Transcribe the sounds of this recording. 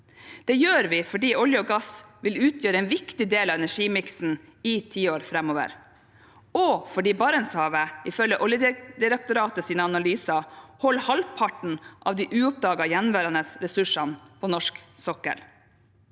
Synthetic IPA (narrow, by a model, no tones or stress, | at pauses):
d̪̥ɛjøːɾʋɪfɔɖiːɔljəɔːɡɑsʋɪlʉːt̪ʰjøːɾəɛnʋɪkt̪ɪd̪eːlɑːɛnæʂiːmɪksn̩ | ɪt̪ʰiːoːɾfɾɛmoːʋə̰ɾ | ɔfɔɖiːbɑɾənshɑːʋəɪfœlːəʔɔljəd̪ɪɾək̚t̪ʊɾɑːt̪əsiːnəɑnɑlyːsɑhɔlːhɑlpʰɑʈɳ̩ʔɑ̰ʋd̪iːʔʉːɔp̚d̪ɑːɡɑjɛnʋæːɾɑnəsɾɛsʉʂɑnpʰɔnɔʂksɔkə̰l